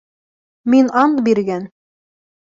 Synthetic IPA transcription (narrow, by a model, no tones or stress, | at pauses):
minɑɴbiɾɡæn